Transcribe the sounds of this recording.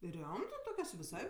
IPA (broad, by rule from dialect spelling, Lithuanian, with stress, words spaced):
ˈrʲoːmtɜ ˈtoːkʲoːs ʋʲɪˈsɐɪ